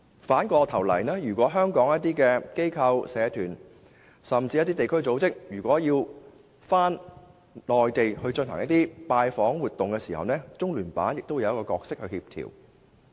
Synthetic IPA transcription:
faː˨˥nkɔː˧t̪ʰɐ˨˩wlɐ̰˨˩jnɛː˥jyː˨˩kʷɔː˨˥ɦœː˥ŋkɔː˨˥ŋjɐ˥t̪iː˥kɛː˧ke˥jkʰɐ˧wsɛː˨˧t̪ʰyː˨˩n | sɐ˨mt͡siː˧jɐ˥t̪iː˥t̪e˨jkʰɵ˥ɥt͡so˨˧˥wt͡sɪ˥k̚jyː˨˩kʷwʷɔː˨˥jiː˧w | faː˥n | lɔː˨jt̪e˨jhɵ˧ɥt͡ʃɵ˧nɦɐ̰˨˩ŋjɐ˥t̪̚iː˥paː˧jfɔː˨˥ŋwuː˨t̪̚ːʊ˨ŋkɛ˧siː˨hɐ̰˨wnɛː˥t͡sʊ˥ŋlyː˨˩npa̰ː˨˥njɪ˨k̚t̪o˥wjɐ˧wɐ˥kɔː˧kɔː˧k̚sɪ˥k̚hɵ˧hiː˧p̚t̪ʰḭ˨˩w

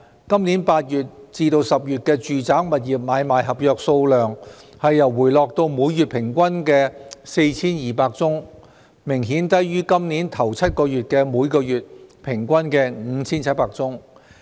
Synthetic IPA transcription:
kɐ˥mni˨˥npaː˧t̚jyː˨˩t̚t͡siː˧t̪o˧wsɐ˨p̚jyː˨t̚kɛː˧t͡ʃyː˨t͡saː˨˥ŋmɐ˨˩t̚jiː˨p̚maː˨˧jmaː˨jɦɐ˨p̚jœː˨k̚so˧wlœː˨ŋhɐ˨jːɐ˨˩wːuː˨˩jlɔː˨k̚t̪o˧wmuː˨˧jjyː˨˩t̚pʰɪ˨˩ŋkʷɐ˥nkɛː˧se˧jt͡sʰiː˥njiː˨˩paː˧k̚t͡sʊ˥ŋ | mɪ˨˩ŋɦiː˨˥nt̪ɐ˥jɥyː˥kɐ˥mniː˨˥nt̪ʰɐ˨˩wt͡sʰɐ˥t̚kɔː˧jyː˨t̚kɛː˧muː˨˧jkɔː˧jyː˨t̚pʰɪ˨˩ŋkʷɐ˥nkɛː˧ŋ̩ː˨˧t͡sʰiː˥nt͡sʰɐ˥t̚paː˧k̚t͡sʊ˥ŋ

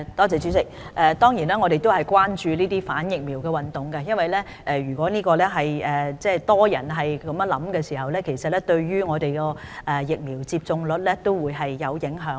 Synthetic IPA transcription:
t̪ɔː˥t͡sɛː˨˧t͡sy˨˥sɪ˨k̚ʔɛː˨˧t̪ɔː˥ŋjiː˨˩nɛː˥ŋɔ˨˧ɾe˨jt̪̬o˥whɐ˨jkʷwaː˥nt͡ʃyː˧niː˥t̪iː˥faː˨˥njɪ˨k̚miː˨˩wkɛː˧wɐ˨nt̪ʊ˨ŋkɛ˧jɐ˥nwɐ˨jlɛː˥ | ʔɛ˨˧ɥyː˨˩kʷɔː˨˥niː˥kɔː˧lɛ˥ɦɐ˨jɛː˨t͡sɛː˥˩t̪ɔː˥jɐ˨˩nɦɐ˨jkɐ˨˥mjɐ˧nlɐ˨˥mkɛː˧siː˨˩hɐ˨wlɛː˥kʰe˨˩jsɐ˨t̚lɛ˥t̪ɵ˧ɥɥyː˥ŋɔː˨˧t̪e˨jkɔː˧ʔɛː˨jɪ˨k̚miː˨˩wt͡siː˧p̚t͡sʊ˧ŋlɵ˨˥t̚lɛ˥t̪o˥wwuː˨˧jɦɐ˨jːɐ˨˧wjɪ˨˥ŋɦœː˨˥ŋ

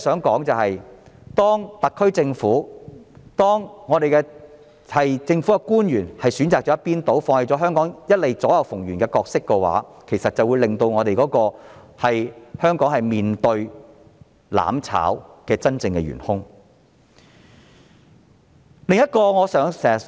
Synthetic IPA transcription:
sœː˨˥ŋkɔː˨˥ŋt͡sɐ˨whɐ˨jt̪ɔː˥ŋt̪ɐ˨kʰːɵ˥ɥt͡sɪ˧ŋfuː˨˥ | t̪ɔː˥ŋŋɔː˨˧t̪e˨jkɛ˧ | hɐ˨jt͡sɪ˧ŋfu˨˥kɛ˧kuː˥njyː˨˩nhɐ˨jsyː˨˥nt͡saː˨k̚t͡ʃɔ˨˥jɐ˥t̚piː˥nt̪o˨˥wfɔː˧ŋhe˨˧jt͡sɔː˨˧˥ɦœː˥ŋkɔː˨˥ŋjɐ˥t̚le˨jt͡sɔː˨˥jɐ˨˧wfʊ˨˩ŋɥyː˨˩nkɛː˧kɔː˧k̚sɪ˥kːɛ˧wa̰ː˨˥kʰe˨˩jsɐ˨t̚t͡sɐ˨wu˨˧jlɪ˨ŋt̪o˧wŋɔː˨˧ɾe˨jkɔː˨˥kɔː˧ | hɐ˨jhœː˥ŋkɔː˨˥ŋhɐ˨jmiː˨nt̪ɵ˧ɥ | la̰ː˨˥mt͡sʰa̰ː˨˥wkɛː˧t͡sɐ˥nt͡sɪ˧ŋkɛ̰˧ɥy̰ː˨˩nhʊ˥ŋ | lɪ˨ŋjɐ˥t̚kɔː˧ŋɔː˨˧sœː˨˥ŋsɛ˨

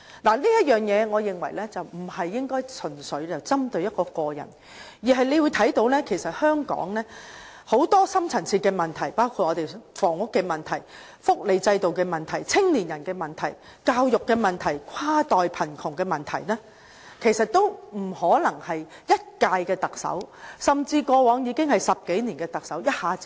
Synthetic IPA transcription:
laː˨˩liː˥jɐ˥t̚jœː˨˩ŋjɛː˨˧ŋɔː˨˧jɪ˨ŋwɐ˨˩jlɛː˥t͡sɐ˨wm̩˨˩hɐ˨jːɪ˥ŋkɔː˥jt͡sʰɵ˨˩nsɵ˨˥ɥt͡sɐ˨wt͡sɐ˥mt̪ɵ˧ɥjɐ˥t̚kɔː˧kɔː˧jɐ̰˨˩n | jiː˨˩ɦɐ˨jle˨˧jwuː˨˧jt̪ʰɐ˨˥jt̪o˨˧˥wlɛː˥kʰe˨˩jsɐ˨t̚hœː˥ŋkɔ̰ː˨˥ŋlɛː˥ | ho˨˥wt̪ɔː˥sɐ˥mt͡sʰɐ˨˩nt͡sʰiː˧t̚kɛː˧mɐ˨˩nt̪ʰɐ˨˩jpaː˥wkʰuː˧t̚ʔɔː˨˧t̪e˨jfɔː˨˩ŋʊ˥kːɛː˧mɐ˨nt̪ʰɐ˨˩j | fʊ˥k̚le˨˧jt͡sɐ˧jt̪o˨wkɛː˧mɐ˨nt̪ʰɐ˨˩jt͡sʰɪ˥ŋniː˨˩njɐ˨˩nkɛː˧mɐ˨˩nt̪ʰɐ˨˩j | kaː˧wjʊ˨kːɛː˧mɐ˨nt̪ʰɐ˨˩jkʷʰaː˥t̪ɔː˨jpʰɐ˨˩nkʰʊ˨˩ŋkɛː˧mɐ˨˩nt̪ʰɐ˨˩jnɛː˥ | kʰe˨˩jsɐ˨t̚t̪ːo˥wm̩˨˩hɔː˨˥lɐ˨˩ŋhɐ˨jjɐ˥t̚kaː˧jkɛː˧t̪ɐ˨k̚sɐ̰˨˥wsɐ˨mt͡siː˧kɔː˧wɔː˨˥ŋjiː˨˧kɪ˥ŋhɐ˨jsɐ˨p̚ke˨˥jniː˨˩nkɛː˧t̪ɐ˨k̚sɐ˨˥wjɐ˥t̚haː˨˥t͡si

